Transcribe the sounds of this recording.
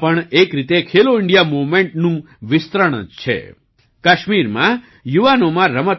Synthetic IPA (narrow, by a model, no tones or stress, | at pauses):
pəɳekɾit̪ekʰeloɪɳɖijamomẽɳʈnũ | ʋɪst̪ɾəɽ̃əd͡ʒt͡ʃʰḛ | kaʃmiɾmã̰ | juʋanomãɾəmət̪